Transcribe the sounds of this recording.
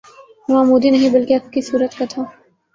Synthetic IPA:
ʋãːmuːd̪inɐɦĩbɐlkeɐp̚kisuːɾət̪kɐt̪ʰõː

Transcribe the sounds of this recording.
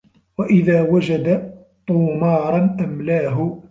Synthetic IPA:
waʔɪðaːwad͡ʒad̪a | t̪ˤuːmɑːɾˤɑnʔamlaːɦʊ

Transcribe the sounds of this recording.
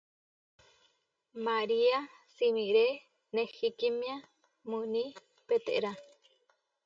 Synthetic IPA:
maɾia | simiɾe | nehikimĩa | munĩ | pet̪ḛʔɾa

